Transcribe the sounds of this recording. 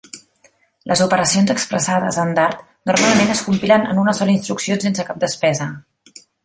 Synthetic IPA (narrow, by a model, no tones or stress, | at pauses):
lʔəzupəɾəsionzəkspɾəsaðə̰zənd̪aɾt̪ | nurmalˠmenəskumpilənə̰nunəsɔləinst̪ɾuksionsens̬əkap̚d̪əspɛzə